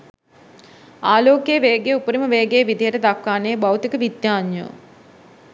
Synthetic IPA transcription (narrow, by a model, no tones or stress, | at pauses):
aːloːkeʋeːɡejupəɾiməʋeːɡejʋid̪ʱijəʈəd̪akːaːnejəbawt̪ikəʋid̪jaːɲjo̰